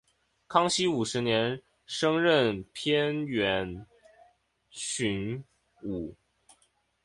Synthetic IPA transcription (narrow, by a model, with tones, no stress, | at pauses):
kʰɑ˥ŋɕi˥u˨˩ʂɻ̩˧˥njɛ˧˥n | ʂɤ˥ŋɻə˥˩npʰjɛ˥nɥɛ˧˥n | ɕy˧˥n | u˨˩˦